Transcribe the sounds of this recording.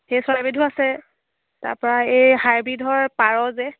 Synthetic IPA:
xejswabidʱuasɛ | ta̰ɹpɔɹaejhaɹbidʱɔɹpaɹɔzɛ

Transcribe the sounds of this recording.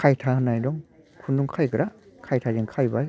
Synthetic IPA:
kʰajtʰahɯnajdɔŋ | kʰunduŋkʰajkʰɾakʰajtʰaziŋkʰajbaj

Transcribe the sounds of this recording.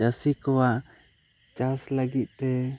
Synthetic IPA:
d͡ʒasikɔwaʔ | t͡ʃasləɡit̪̚ˀt̪ɛ

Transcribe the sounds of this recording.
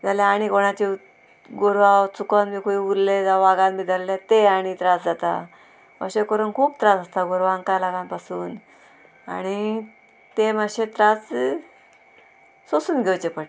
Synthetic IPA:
d͡zalaaɽ̃ikoɽ̃at͡ɕi | ɡoɾʋawt͡sukanbiːkoiuɾled͡zaʋaɡãnmid̪ʱəɾlet̪eaɽ̃it̪ɾasd͡zat̪a̰ | ə̰ɕekəɾuːnkʰuːbt̪ɾasəst̪aɡoɾʋãŋkajlaɡãmpasuːn | a̰ɽ̃i | t̪eməɕet̪ɾas | sosuːnɡʱewt͡ɕepəʈ

